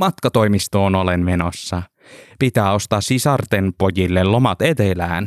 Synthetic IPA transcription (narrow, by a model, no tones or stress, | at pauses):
mɑt̪̚kɑt̪ojmist̪oːnolenmenosːɑ | pit̪æːo̞st̪ɑːssisɑrt̪enpojilːellomɑt̪et̪elæːn